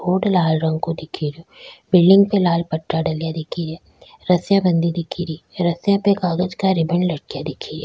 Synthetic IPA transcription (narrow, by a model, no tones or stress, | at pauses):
oːɽlaːlɾɐ̃ŋɡ̚kod̪ɪkʰiɾoːbɪlɖɪ̃ŋɡ̚pelaːlpɐʈːɾaɖɐlijad̪ɪkʰiɾɛː | ɾɐsjãbɐ̃nd̪id̪ɪkʰiɾiːɾɐsjãpekaːɡ̪əd͡ʒkaɾɪbɛɳɖlɐʈkijad̪ɪkʰiɾɛ̰ː